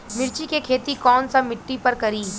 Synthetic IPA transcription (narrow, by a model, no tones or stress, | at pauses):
mɪɾt͡ʃikekʰeːt̪ikɔːnsamɪʈːipɐɾkɐɾiː